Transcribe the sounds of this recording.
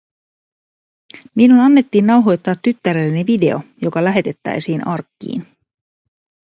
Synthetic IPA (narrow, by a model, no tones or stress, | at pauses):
minunɑnːe̞t̪ːiːnːɑwɦo̞jt̪ːɑːt̪ːyt̪ːæɾelːeneʋide̞o̞̰jo̞kɑlæɦe̞t̪e̞t̪ːæ̰jsiːnɑrkːḭːn